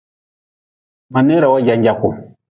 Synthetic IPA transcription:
ma˨nɛ˦ɾa˨wa˦ɟa˨˦ɲɟa˨ku˨

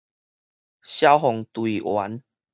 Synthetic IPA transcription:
ɕja˦wɦɔ˨ŋt̪wi˨˩ʔwa̰˨˦n

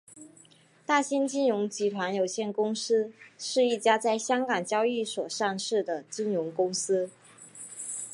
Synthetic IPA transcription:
t̪a˥˩ɕi˥nt͡ɕi˥nɻʊ˧˥ŋt͡ɕi˧˥t̪ʰwa˧˥njo˨˩ʊɕjɛ˥˩nkʊ˥ŋsɹ̩˥ʂɻ̩˥˧i˥˩t͡ɕja˥t͡sa˥˩ɪɕjɑ˥ŋkɑ˨˩ŋt͡ɕjɑ˥ʊi˥˩swɔ˨˩ʂɑ˥˧ŋʂɻ̩˥˩d̪ə˩t͡ɕi˥nɻʊ˧˥ŋkʊ˥ŋsɹ̩˥

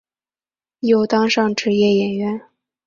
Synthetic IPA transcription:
jo˨˥˩ʊt̪ɑ˥ŋʂɑ˥˩ŋʈ͡ʂɻ̩˧˥jɛ˥˩jɛ˨˩nɥɛ˧˥n

